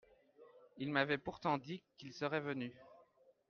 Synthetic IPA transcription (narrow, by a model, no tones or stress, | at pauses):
ilmavɛpuʁt̪ɑ̃d̪ikilsəʁɛvəny